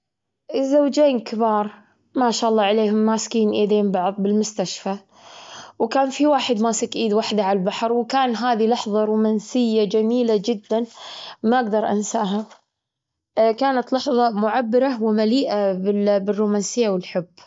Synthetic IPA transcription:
ʔɪzːawd͡ʒeːnkɪbɑːɾˤ | maːʃaːʔɑlˤːɑːʕaleːhʊmːaːskiːnʔiːd̪eːmbɑʕðˤbɪlmʊst̪aʃfa | wkaːnfiwaːħɪd̪maːsɪkʔiːd̪waħd̪aʕalbaħɾwkaːnɦaːðilɑħðˤɑɾuːmaːnsɪjːad͡ʒamiːlad͡ʒɪd̪ːanmaʔaɡd̪ɑɾˤʔa̰nsaʔɦa | kaːnat̪lɑħðˤɑmʊʕabːɪɾawmaliːʔabɪbɪrːuːmaːnsɪjːawɪlħʊbː

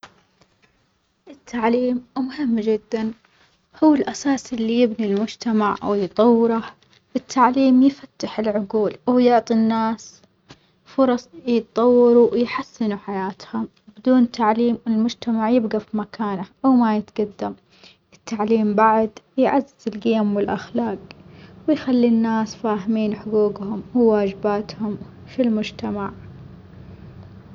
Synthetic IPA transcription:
ʔɪt̪ʰːaʕliːmmʊhɪmːd͡ʒɪd̪ːan | hʊːɪlʔasaːsɪlːijɪbnilmʊd͡ʒt̪amaʕwjt̪ˤɑwːɪɾu | ʔɪt̪ʰːaʕliːmjfat̪ːaħɪlʕʊɡuːlwjʊʕt̪ˤinːaːs | fʊɾˤɑsˤjɨt̪t̪ˤɑwːɑɾujħasːɪnuħajaːt̪hʊm | bɪd̪uːnt̪aʕliːmɪlmʊd͡ʒt̪amaʕjɪbɡafimakʰaːnaʔawmajɪt̪ɡad̪ːam | ɪt̪ːaʕliːmbaʕd̪jʕazːɪzɪlɡɪjamwɪlʔaxlaːqwɪjxalːinːaːsfaːɦmiːnħʊɡuːɡhʊmwɪwaːd͡ʒɪbaːt̪hʊm | filmʊd͡ʒt̪amaʕ

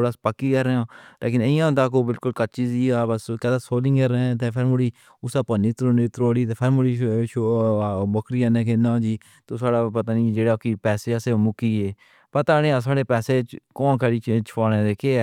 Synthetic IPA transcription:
ɽaːspəkːiːkəɾɛːãːlḛːk̬ɪnəjãːɦʊ̃nd̪aːkoːbɪlkʊlkət̪̚t͡ʃiːziːaːbəskɛːd̪asoːlɪ̃ŋɡeɾɛt̪eːpʰɪɾmʊɽiː | ʊsaːpəniːt̪ɾoniːt̪ɾoːɽiːt̪eːpʰɪɾmʊɽiːʃobɔkɾijãːnẽːkenãːd͡ʒiː | t̪oːsaːɽaːpət̪aːniːd͡ʒeːɽakipɛːseːaseːmʊkiːɦeː | pət̪aːnẽːaːs̬aːɽeːpɛːseːt͡ʃkɔ̃ːnkʰəɽiːt͡ʃt͡ʃʰpaːnẽːd̪eːkeːɛː

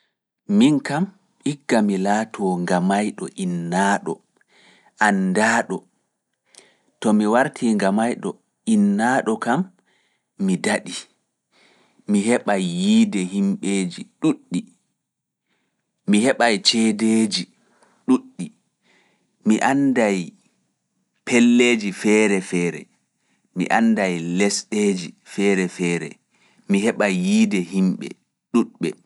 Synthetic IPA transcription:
minkam | iɡːamilaːtʰɔŋɡamajɗɔʔinːaːɗɔ̰ | ʔandaːɗɔ | tɔmiwaɾtʰiŋɡamajɗɔ̰ | inːaːɗɔkamː | idaɗi | miɦɛɓajːiːdɛhimɓeːd͡ʒiɗuɗːi | mihɛɓajt͡ʃɛːdeːd͡ʒi | ɗuɗːi | miʔandaj | pʰɛlːeːd͡ʒifɛːɾɛfɛːɾɛ̰ | mḭʔandajlɛsɗeːd͡ʒifɛːɾɛfɛːɾɛ̰ | miɦɛɓajːiːdɛɦimɓɛ̰ | ɗuɗɓɛ̰

